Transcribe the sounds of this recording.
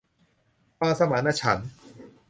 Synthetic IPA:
paː˧sa˧ma˨˦na˧t͡ɕʰa˩˦n

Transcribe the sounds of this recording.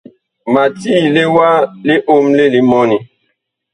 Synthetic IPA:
ma˨ti˦le˦wa˦le˦ʔo˦mle˦li˦mɔ˦ni˨

